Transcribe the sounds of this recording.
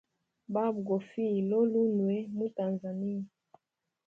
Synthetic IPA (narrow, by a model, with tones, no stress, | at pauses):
ba˦bɡo˨fi˦˨lo˦lu˦nwe˦mu˦ta˨nza˨ni˦a˨